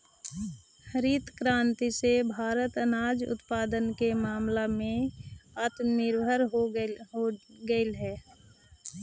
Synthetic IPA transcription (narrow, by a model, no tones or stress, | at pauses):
həɾiːt̪kɾãːnt̪isebʱaːɾət̪ənaːd͡ʒʊ̰t̪paːd̪ənkemaːmlamẽət̪nɪɾbʱəɾɦoɦoɡəɪlɦɛː